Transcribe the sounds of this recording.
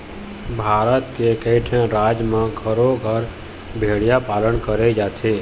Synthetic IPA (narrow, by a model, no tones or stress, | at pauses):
bʱaːɾət̪kekəɪʈʰẽɾaːd͡ʒmẽɡʱəɾoɡʱəɾ | bʱeːɽijapaːlənkəɾed͡ʒaːt̪ʰe